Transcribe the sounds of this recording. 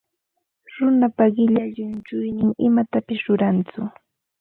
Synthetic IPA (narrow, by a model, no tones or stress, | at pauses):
ɾʊnapaɢɪʎaʎʊnt͡ʃʊjnɪŋɪmat̪apɪsɾʊɾant͡sʊ